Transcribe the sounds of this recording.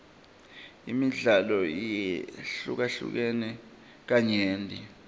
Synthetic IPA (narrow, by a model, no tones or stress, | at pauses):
imiɮalɔiɬṵk̬aɬṵk̬ɛnɛ | k̬aɲeːndʱi